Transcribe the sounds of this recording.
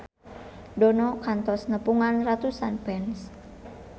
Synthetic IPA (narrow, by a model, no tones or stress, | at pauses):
dɔnɔkant̪ɔsnəpuŋanrat̪usanbɛns